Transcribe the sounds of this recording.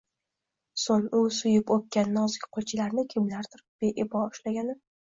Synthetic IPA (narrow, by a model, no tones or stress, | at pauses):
soŋʊsʊjɪpok̚ʲkʲanːɒzɡʲɪ̥qʰot͡ʃʰɪlaɾnɪkʲʰɪmlaɾt̪ʰʊɾɪp̚b̥eʔɪbɒʊʃlaɡʲanɪ